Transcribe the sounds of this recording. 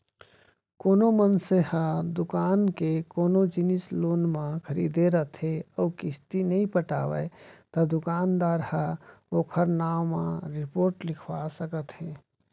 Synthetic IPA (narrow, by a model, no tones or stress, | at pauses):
koːnomənsehəd̪ukaːnkekoːnod͡ʒinisloːnmãkʰəɾḭd̪eɾət̪ɦeɔːkɪst̪inəĩpəʈa̰ːʋə̰t̪əd̪ʊkaːnd̪aːɾhəoːkʰəɾnaːmã̰ɾɪpoːɾʈlɪkʰwasəkət̪ɦe